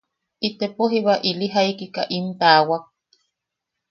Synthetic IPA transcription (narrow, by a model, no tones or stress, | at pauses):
it̪epoɦiβaʔiliɦaikikaʔimt̪aːwak̚